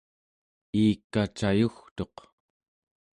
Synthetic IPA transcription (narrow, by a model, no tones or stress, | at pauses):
iːkːat͡ʃajuxt̪o̞q